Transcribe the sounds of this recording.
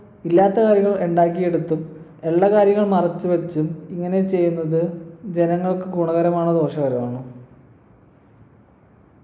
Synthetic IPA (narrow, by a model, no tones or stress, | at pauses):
ilːaːt̪ːɐkaːɾjɐŋːɐɭeɳɖaːkːije̞ɽut̪ːume̞ɭːɐkaːɾjɐŋːɐɭmɐrɐt͡ɕːuʋɐt͡ɕːumiŋːɐne̞t͡ɕe̞jːunːɐðɨd͡ʑe̞nɐŋːɐɭkɨkuɳɐɣɐɾɐmaːɳɨd̪o̞ːʂɐɣɐɾɐmaːɳɨ